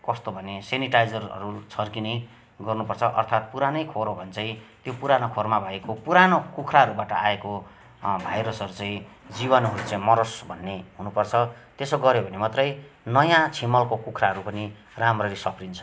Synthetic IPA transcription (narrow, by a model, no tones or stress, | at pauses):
kʌst̪obʱʌneseniʈajd͡zʌrʌ̰ɾut͡sʰʌrkinʌj | ɡʌrnupʌrt͡sʰʌʔʌrt̪ʰat̪̚puɾanʌjkʰoɾobʱʌnt͡saĩt̪jopuɾanokʰormabʱʌjekopuɾanokukʰɾaɦʌɾubaʈʌaeko | bʱajɾʌsʌɾut͡sãĩd͡zibʌnʌɾut͡sãĩmʌɾʌsbʱʌnːeɦunupʌrt͡sʰʌ | t̪esoɡʌɾjobʱʌnemat̪rʌj | nʌjãt͡sʰimʌlkokukʰraɦʌɾupʌni | ramrʌɾisʌpʰrint͡sʰʌ̥